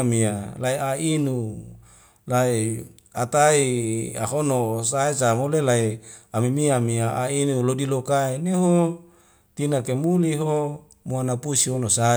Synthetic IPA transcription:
mialaiainu | lai | at̪aia̰ɦonosaesamolelaiamimiamiaa̰inulodilokaeneɦo | t̪inakemuliɦo | muanapusiɦonosa

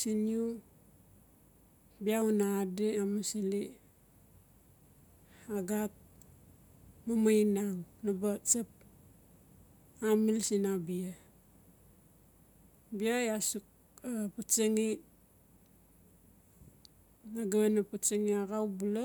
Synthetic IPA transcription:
siniu | biaunadeamasili | aɡat̚ | mamainaŋnabat͡ʃap̚ | amilsinabia | biajasuk̚ | apat͡ʃaŋi | naɡaβenapat͡ʃaŋiaɡawbula

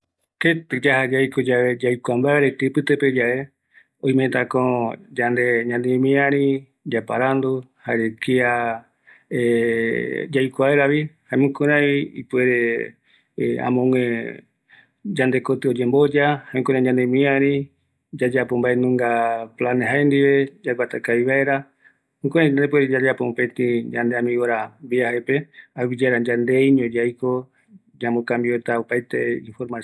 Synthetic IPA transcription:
ket̪ɨd͡ʒahad͡ʒajkod͡ʒaβed͡ʒajkʷambaeɾet̪epɨt̪eped͡ʒae | õj̃mẽt̪ãkõd͡ʒand̪eɲãnd̪emĩãɾĩ | d͡ʒapa̰ɾand̪o | haɾekia | e | d͡ʒajkʷaeɾaβihãmũkõɾãiḭpueɾe | ã̰mõŋẽ | d͡ʒand̪e̞kot̪ɨod͡ʒẽmbo̞d͡ʒahamĩkoɾãĩɲãnd̪emĩãɾi | d͡ʒad͡ʒapombaenũŋɡaplaneɦaend̪iβe̞d͡ʒaɡʷat̪akaiβaeɾa | mũkoɾãĩɲand̪epweɾed͡ʒad͡ʒapopẽt̪ĩd͡ʒãnd̪eamĩoɾambiaaepe̞awid͡ʒaɾad͡ʒand̪ejɲõd͡ʒajko | d͡ʒãmbokãmbiot̪aopajt̪e̞̰ḭ̃nfoɾma

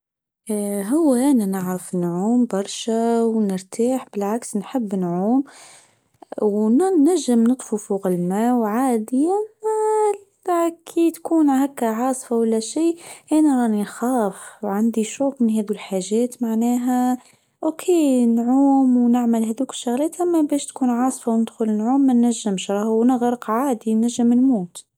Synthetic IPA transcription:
ɦʊwːæʔænænɪʕɾəfnʕuːmbɑɾˤʃawnəɾt̪ʰaːħbɪlʕaksnħəbːnʕuːm | wnnnæʒːɪmnɨt̪ˤfufuɣalmæwʕaːd̪ɪjæ | kʰit̪kuːnhækːaʕɑːsˤfawalːæʃiːʔænæɾˤɑʔnixæːfwʕand̪iʃuːkmənɦɛːd̪ulħaːʒɛːt̪maʕnɛːɦæ | ʔokʰenʕuːmwnɪʕmælɦæd̪uːkɪ̥ʃːʊɣlɛːt̪ʔæmːæbɛːʃt̪kuːnʕɑːsˤfawnəd̪xʊlɪnʕuːmːænːæʒːɪmʃɾˤɑːhwnəɣɾəqʕaːd̪inæʒːəmnmuːt̪

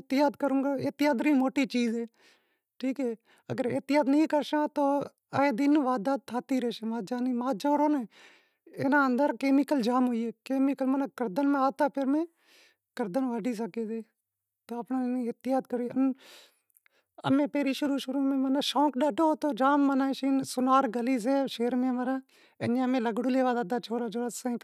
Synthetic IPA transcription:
t̪ɪjaːd̪kəɾũːɡaeːt̪ɪjaːd̪ɾĩːmoːʈiːt͡ʃiːzɦeː | ʈʰiːkɦɛː | ə̰ɡəɾḛːt̪ɪjaːd̪nəĩkəɾʃãːt̪oː | aeːd̪inʋaːd̪aːd̪̚t̪ʰaːt̪iːɾeːʃẽːmãːd͡ʒaːniːmãːd͡ʒoːɾoːnẽː | enãːənd̪əɾkeːmɪkəld͡ʒaːmɦoːiːeːkeːmɪkəlmənãkəɾd̪ənmẽːaːt̪aːpʰeɾmẽː | kəɾd̪ənʋaːɖiːs̬əkeːseː | t̪oːəpnãːniət̪ɪjaːd̪̚kəɾuːən | ə̰mẽːpeːɾiːʃʊɾuːʃʊɾuːmẽːmənaːʃõːkɗaːɖoːt̪oːd͡ʒaːmːənaːʃiːnsʊnaːɾɡəliːs̬eːʃeːɾmẽːməɾãː | eɲãːəmẽːləɡɽuːleːʋaːd̪aːd̪aːt͡ʃʰoːɾaːd͡ʒoːɾasãĩː

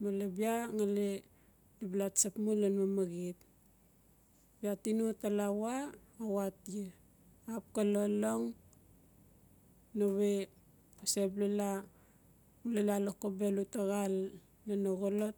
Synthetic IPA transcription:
malabiaŋale | diblatsapmulenmamaɡit | biatinutalawaːwatije | ap̚kaloloŋ | noβe | seblela | ulelalokobelutaɣalː | enoɣolot

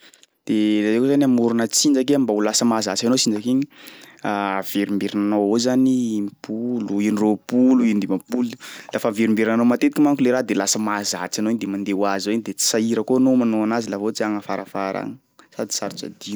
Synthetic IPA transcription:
d̪̥elazekozaniamuɾunət͡sind͡ʒak̬eambaulasəmazat͡sanosind͡ʒakeɲiaveɾimbeɾinanoozanimpʰuluiniropuluind̪imapululafaveɾimbeɾinanomat̪et̪i̥kimaŋkuleɾad̪elasəmazat͡sanoinid̪emand̪ewazowinid̪et͡si̥saiɾəkoanomanoanazilavot͡siaŋəfaɾafaɾa̰ŋə | sad̪i̥saɾu̥t͡sa̰d̪i

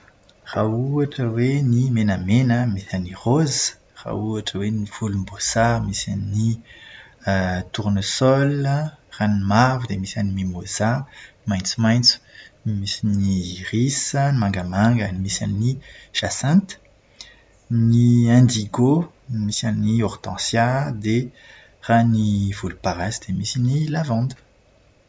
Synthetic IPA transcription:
rauaʈ͡ʂəwenimenamenəmisaniʁozə̥ | ra̰uaʈ͡ʂəweniv̥ulumbosamisa̰nni | t̪uɾnusɔləranimavud̪emisanimimoza | majnt͡sumajnt͡su̥misiniʁisənimãŋɡamãŋɡənimisa̰niniʃasɛ̃nt̪ | niɛ̃nd̪iɡo | misanniɔʁt̪ɑ̰̃sjad̪e | ranivulupaʁasd̪̥emisinilavɑ̃d̪ə̥

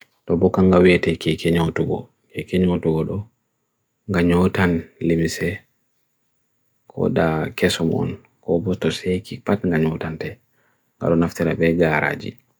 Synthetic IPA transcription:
tɔbɔkaŋɡawɛtɛkɛkɛɲɔwtuɡɔ̰ | kɛkɛɲɔwtuɡɔɗɔ | ŋɡaɲɔtanlimsɛ | kʰɔ̰ɗakɛsɔmɔ̰n | kɔbɔstɔsɛkipatŋɡaɲɔtantɛ | ŋɡa̰ɗɔnaftiɾabɛɡaɾa̰d͡ʒḭ

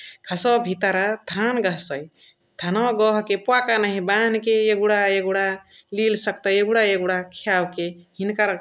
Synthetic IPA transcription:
kʰəsɔbʱit̪aɾat̪ʰanɡəɦsəj | t̪ʰanɔɡɔɦkepakanəɦibankejeɡuɽaeɡuɽa | lilsək̚t̪əjeɡuɽaeɡuɽakʰjawkehinkaɾ

